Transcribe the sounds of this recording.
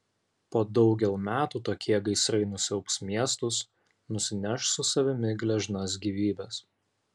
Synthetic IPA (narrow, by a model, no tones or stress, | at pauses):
poːd̪ɒʊɡʲɛlˠmʲæːt̪uːt̪oːkʲiɛɡɐɪsɾɐɪnʊsʲɛʊksmʲiɛst̪ʊs | nʊsʲɪnʲɛʃsʊsɐʋʲɪmʲɪɡlʲɛʒnɐs̬ɡʲiːʋʲiːbʲɛs